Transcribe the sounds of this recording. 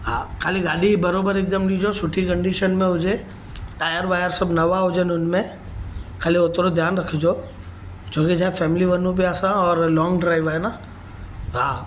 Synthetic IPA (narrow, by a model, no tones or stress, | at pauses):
ɦãkʰaːliɡaːɗibɐɾoːbəɾeːk̚d̪əmɗid͡ʒosʊʈʰikɐ̃ɳɖiʃənmẽɦʊd͡ʒe | ʈaːjəɾʋaːjəɾsəbnɐʋaɦʊd͡ʒenʊnmẽ | kʰaːliʊt̪ɾod̪ʱjaːnɾɐkʰid͡ʒoː | d͡ʒoːked͡ʒãːfɛːmɪliʋənũp̬iasãɔːɾlɔːŋɡɖɾaːɪʋaːena | ɦa